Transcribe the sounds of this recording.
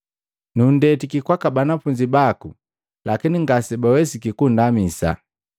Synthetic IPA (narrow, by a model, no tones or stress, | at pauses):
nundɛtikikwakabanafuɲd͡ʒibaku | lakiniŋɡasɛbawɛsikikundamisa̰